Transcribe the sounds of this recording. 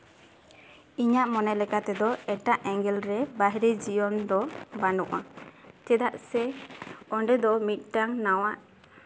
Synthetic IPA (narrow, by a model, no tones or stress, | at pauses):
iɲaʔmɔnɛlɛkat̪ɛd̪ɔɛʈaʔɛŋɡɛlɾɛbaɦɾid͡ʒiɔnd̪ɔbanuʔa̰t̪ɛd̪aʔsɛɔɳɖɛd̪ɔmit̪̚ˀʈaŋnawaʔ